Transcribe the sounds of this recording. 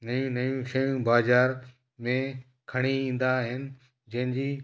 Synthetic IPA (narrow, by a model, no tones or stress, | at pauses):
nɐjũnɐjũʃɐjũbaːzaːɾ | mẽ | kʰɐɽ̃iĩːn̆d̪aɦɪnɪ̆ | d͡ʑɐ̃ɦɪ̃ɲd͡ʑiː